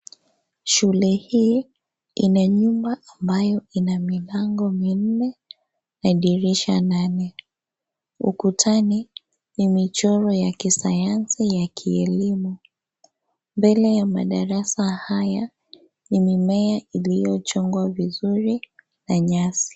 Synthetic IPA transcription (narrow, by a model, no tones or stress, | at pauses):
ʃulɛhiː | inaɲumbaʔambajɔinamilaŋɡɔmin̩nɛ | naɗiɾiʃananɛ | ṵkutʰani | nimit͡ʃɔɾɔjakisajansijakʰiɛlimu | mbɛlɛjama̰ɗaɾasahaja | nimimɛaʔilijɔt͡ʃɔŋɡwavizuɾi | naɲasi̥